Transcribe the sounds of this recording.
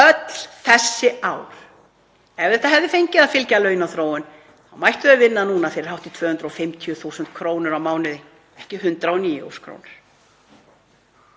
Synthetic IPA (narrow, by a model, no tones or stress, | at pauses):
œt̪l̥θɛsːɪaːwɾ̥ | ɛvðɛht̪aɦɛvðɪfejɲcɪðaðfɪlcalœːɥnaθɾoːwʏn | θawmajht̪ʏavɪnːanuːnafɪɾɪɾ̥hawht̪ɪt̪ʰvœːhʏnt̪ɾaɔfɪmt̪ʰiʏθuwsʏnt̪kʰɾoːwnɪɾawmaːwnɪðɪ | ɛhcɪɦʏnt̪ɾaɔniːjo̰skʰɾo̰ːwnɪɾ̥